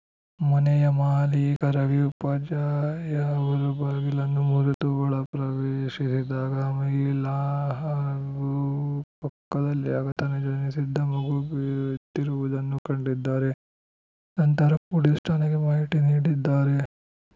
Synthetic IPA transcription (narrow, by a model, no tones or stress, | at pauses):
mɐnɛjɐmaːlikɐɾɐʋiupɐd͡ʒaːjɐʋɐɾubɐːɡilɐnːumuɾut̪uʋɐɭɐpɾɐʋeːʃisid̪aːɡɐːmɐɡilɐɦɐɡupɐkːɐd̪ɐlːiaːɡɐt̪ɐnːed͡ʒɐnisid̪ʱːɐmɐɡubt̪ːiɾuʋud̪ɐnːukɐɳɖid̪ːaːɾe | nɐnt̪ɐɾɐpuɽisʈʰaːnɐɡemaːɦiʈiniːɽid̪ːaːɾe